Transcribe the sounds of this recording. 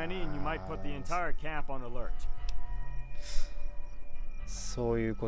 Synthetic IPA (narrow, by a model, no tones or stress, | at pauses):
æ̃niɨ̃njɨmaɪt̚pʰʊt̪̚ðiɨ̃ntʰaɪə˞kʰæ̃mpn̩əlɜ˞t | sojɨːko